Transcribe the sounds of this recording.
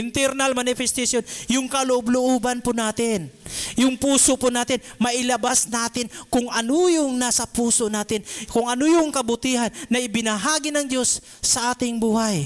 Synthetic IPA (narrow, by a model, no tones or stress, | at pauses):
ʔɪnt̪ɛɾnalmanɪfɛst̪asjonjʊŋkɐlʊʔʊblʊʔobanpʊnaːt̪ɪnjʊŋpuːsopʊnaːt̪ɪnmɐʔɪlɐbasnaːt̪ɪnkʊŋʔɐnojʊŋnasɐpuːsoʔnaːt̪ɪnkʊŋɐnojʊŋkɐbʊt̪iɦanːɐʔɪbɪnɐɦaːɡɪnɐŋd͡ʒo̞sː | ɐʔaːt̪ɪŋbuːhaj